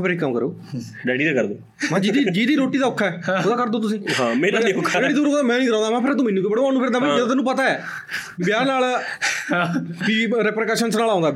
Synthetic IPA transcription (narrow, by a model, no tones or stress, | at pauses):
pʰɪɾɪkːəmkəɾoː | ɖɛːɽiːd̪akəɾd̪oː | mãd͡ʒiːd̪iːd͡ʒiːd̪iːɾoːʈiːd̪aːʊkʰːaɛːʊd̪aːkəɾd̪oːt̪ʊsĩːɦãmeːnakʰːeːɽiːd̪oɾok̪amɛ̃ːniːd̪əɾãːnd̪aːmãːpʰɪɾt̪õːmɛ̃ːnuːkoːbəɽoːɦaːnũːpʰɪɾd̪aːmẽd͡ʒəd̪ãt̪ːnũːpət̪aːɛː | bjaːnaːl | kiɾɛpɾkɛʃənsnaːlaːʊ̃ŋɡ̪aː